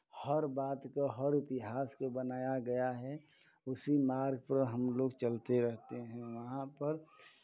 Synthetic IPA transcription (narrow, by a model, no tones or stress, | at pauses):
həɾbaːt̪koɦəɾɪt̪ɪɦaːskobənaːjaɡɐjaɦɛ | ʊsimaːɾɡ̚pəɾɦəmloːɡt͡ʃəlt̪eɾɛɦt̪eɦɛ̃ʋəɦãpəɾ